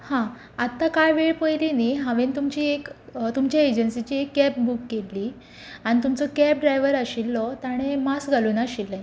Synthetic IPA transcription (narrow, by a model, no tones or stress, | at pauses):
hã | at̪ːakajʋeɭpəjliniɦãʋent̪umt͡ɕiːekt̪umt͡ɕjaed͡ʑənsit͡ɕiːekːɛp̚bukːelːiː | aɽ̃it̪umt͡sɔkɛp̚ɖɾajʋəɾəɕilːɔt̪aɽ̃emasɡʱaluːnaɕilːãj